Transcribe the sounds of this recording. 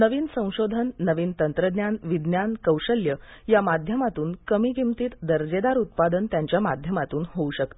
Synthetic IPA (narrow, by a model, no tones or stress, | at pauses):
nəʋiːnsə̃w̃ɕod̪ʱənːəʋiːnt̪ənt̪ɾəd̪njanʋid̪njankəwɕəljəjamad̪ʱjəmat̪uːnkəmikimt̪iːt̪d̪əɾd͡ʑed̪aɾut̪̚pad̪ənt̪jaɲt͡ɕjamad̪ʱjəmat̪uːnɦouɕək̚t̪o